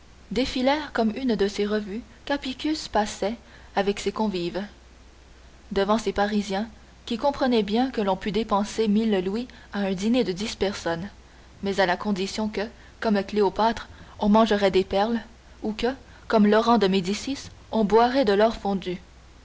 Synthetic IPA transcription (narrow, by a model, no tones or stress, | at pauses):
d̪efilɛːʁkɔmynd̪əseʁəvy | kapikʲyspasɛ | avɛksekɔ̃viv | d̪əvɑ̃sepaʁizjɛ̃ | kʲikɔ̃pχənɛbjɛ̃kəlɔ̃pyd̪epɑ̃semillwi | aɛ̃d̪ined̪əd̪ispɛʁsɔn | mɛzalakɔ̃d̪isjɔ̃kə | kɔmləkleopat̪χɔ̃mɑ̃ʒəʁɛd̪epɛʁl | ukə | kɔmlɔʁɑ̃d̪əmed̪isisɔ̃bwaʁɛd̪əlœʁfɔ̃d̪y